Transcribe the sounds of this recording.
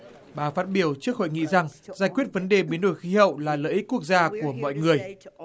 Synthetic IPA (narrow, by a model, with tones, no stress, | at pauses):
ɓaː˨˩faː˦˥t̚ɓi˧˩əwt͡ɕɨ˦˥ək̚ho̰˧˨jŋḭ˧˨za˨˩ŋzaː˧˩jkwi˦˥ət̚və˨˦nɗe˨˩ɓi˨˦ənɗo˧˩jxi˨˦hə̰˧˨wlaː˨˩lə̰ː˧˥ʔi˦˥kːu˦˥ək̚zaː˧ku˧˩əmɔ̰˧˨jŋɨ˨˩əj